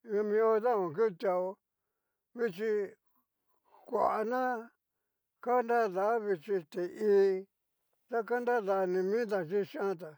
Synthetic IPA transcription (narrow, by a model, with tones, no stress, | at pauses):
ɲã˧mĩ˧o˧ða˦˨õ˨ku˦˧t̪ja˧o˧ | βi˧t͡ʃi˧ | kʷa̰˨ʔa˧nã˦ | ka˦nd̪a˦˨ða˨˦βi˧t͡ʃi˧t̪e˨ʔiː˦ | t̪a˦ka˦nd̪a˦ða˨˧nĩ˧mĩ˦t̪a˨t͡ʃi˦ʃã˦t̪a˨